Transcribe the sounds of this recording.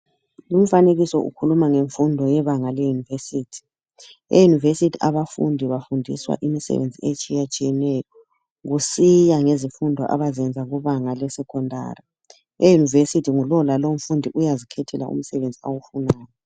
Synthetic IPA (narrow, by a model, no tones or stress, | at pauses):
lum̩faneɣisɔʔṵkʰulumaŋeɱfundʱɔjɛβaŋalɛjunivesiːtʰi̥ | ḛjunivesitʰiaβafṵndʱiβafundʱḭswa̰ʔimisɛ̰βḛnd͡zʱiet͡ʃʼijat͡ʃʼijɛnɛjɔ | ɣusijaŋezifundʱɔ̰ʔa̰βazɛnd͡zʱaɣuβaŋalɛsɛkʰɔndʱa̰ːri | ejunivesitʰiŋulɔlalom̩fundʱiʔujazikʰɛtʰɛla̰ʔṵm̩sɛβend͡zʱiawufunaːjɔ